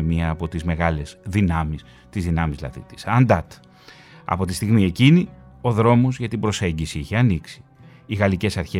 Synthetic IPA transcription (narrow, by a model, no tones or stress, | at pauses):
miɐːpo̞t̪izme̞ɣɐle̞z̥ðinɐmis | t̪izðinɐmizlɐ̰ðḭt̪i̥sɐnd̪ɐt̪ | ɐ̰po̞t̪ist̪iɣmie̞cinio̞ðɾo̞mo̞zʝɐt̪ibɾo̞se̞ɲɟisiiçeɐniksi̥ː | ɣɐlice̞sɐɾçe